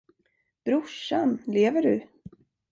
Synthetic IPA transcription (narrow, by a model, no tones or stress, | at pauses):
b̥ɾʊʂanleːvəɖɵ̰